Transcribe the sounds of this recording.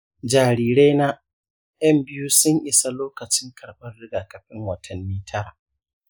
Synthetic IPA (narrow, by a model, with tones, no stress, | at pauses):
d͡ʒaː˨ɾiː˨ɾe˦na˦ | jɐ˦mbɪ˦ju˦sʊ˦ɲʔɪ˦sa˦loː˦kɐ˨t͡ʃɪ˦ŋkʰɐ˨ɽɓɐ˦rːɪ˦ɡaː˨kɐ˨ɸɪ˦ŋwɐ˨tʰɐ˨mːiː˦tʰɐ˦ɾa̰ː˨